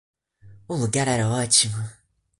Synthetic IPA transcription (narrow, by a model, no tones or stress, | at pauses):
uluɡaɾaɾawat͡ʃima